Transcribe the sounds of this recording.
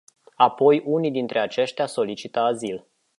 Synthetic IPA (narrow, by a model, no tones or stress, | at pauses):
apo̞junid̪int̪ɾʔe̞at͡ʃe̞ʃt̪easo̞lit͡ʃit̪əazil